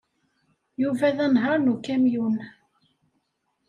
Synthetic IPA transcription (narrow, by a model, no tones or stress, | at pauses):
juvæðænɦɑɾˤnukæmjun